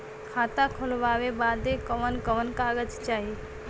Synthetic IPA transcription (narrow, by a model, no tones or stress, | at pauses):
kʰaːt̪akʰʊlʋaːʋebaːd̪ekəʋənkəʋənkaːɡəd͡ʒt͡ʃaːɦi